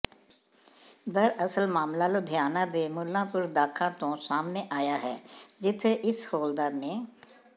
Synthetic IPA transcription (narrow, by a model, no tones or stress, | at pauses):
d̪əɾəsəlmaːmlaːlod̪ʱjaːnãːd̪eːmʊlːãːpʊɾd̪aːkʰãːt̪õːsaːmneːʔaːjaːɦɛːd͡ʒɪt̪ʰːeːʔɪshoːld̪aːmẽː